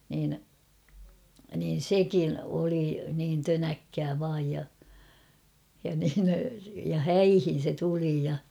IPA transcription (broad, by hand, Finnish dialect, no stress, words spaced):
niːn niːn̞ sekin oli niːn tønækːæː ʋɑːj jɑ jɑ niːn jɑ hæihin̞ se tuli jɑ